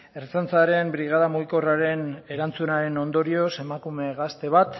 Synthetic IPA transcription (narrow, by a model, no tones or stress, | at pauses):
e̞ɾt͡sant͡saɾe̞mbɾiɣ̞aðamuɣiko̞raɾe̞ne̞ɾant͡sunaɾe̞no̞nd̪o̞ɾio̞se̞makume̞ɣast̪e̞βat̪